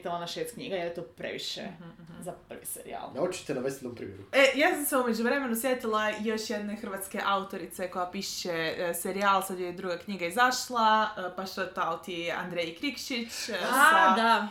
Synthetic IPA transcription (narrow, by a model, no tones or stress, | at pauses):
t̪ilaonaʃeːst̪kɲḭɡajeljet̪opɾḛʋḭʃḛ | zapr̩ʋḭseɾḭa̰lot͡ʃu̥t̪enaʋest̪id̪ompɾḭmʲjeɾuejaːsamseumed͡ʑuʋɾe̞menusjet̪ilˠajoʃjed̪ne̞xrʋat̪ske̞ʔaut̪o̞ɾit̪seko̞japiʃeseɾiaːlˠsad̪joid̪ɾuɡakɲiɡaizaʃlˠapaʃt̪ot̪aot̪ia̰nd̪ɾejkɾikʃit͡ɕad̪a